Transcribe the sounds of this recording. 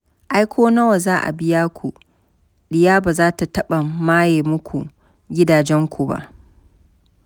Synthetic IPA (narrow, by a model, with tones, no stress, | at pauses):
ʔa˦jkʷʰoː˦nɐ˦wa˨zaː˦ʔa̰˨bɪ˦jaː˦kʷu˨ | ɗɪ˦jaː˦baː˨zaː˦ta˨tɐ˦ɓa˨maː˦jeː˨mʊ˦kʷʰu˨ | ɡʲɪ˦daː˨d͡ʒɛ˦ŋkʷu˨ba̰˦ʔ